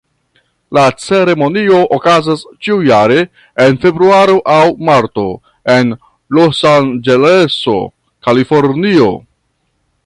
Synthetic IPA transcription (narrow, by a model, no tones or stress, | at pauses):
lat͡se̞ɾe̞mo̞nio̞ʔokazast͡ʃiujaɾe̞ː | nfe̞bɾuaɾoʔawmaɾto̞̰ | en | lo̞sand͡ʒe̞leso̞̰ | kalifo̞ɾnio̞̰